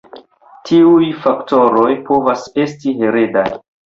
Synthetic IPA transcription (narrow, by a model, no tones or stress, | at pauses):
tʰiujfakto̞ɾo̞jpʰo̞vase̞stiɦeɾeda̰j